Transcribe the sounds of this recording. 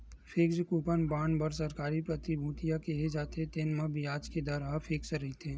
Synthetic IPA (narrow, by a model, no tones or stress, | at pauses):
fʰɪkskuːpənbaːɳbəɾsɐɾkaːɾipɾɐt̪ibʱuːt̪ijakeɦed͡ʒaːt̪et̪eːnmãbʱiaːd͡ʒked̪əɾaːfʰɪksɾəit̪ʰẽː